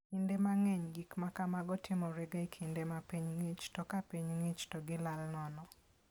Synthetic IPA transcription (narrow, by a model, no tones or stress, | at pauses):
kindemaŋɛɲɡikmakamaɡɔtʰɪmɔɾeɡaekʰindemapiɲŋet͡ʃtɔkapiɲŋet͡ʃtɔɡɪlalnɔnɔ